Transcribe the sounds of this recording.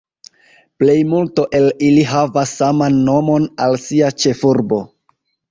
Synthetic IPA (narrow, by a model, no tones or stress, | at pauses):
ple̞jmulto̞ʔe̞liliɦavasːamanːo̞mo̞nalsiat͡ʃe̞fuɾbo̞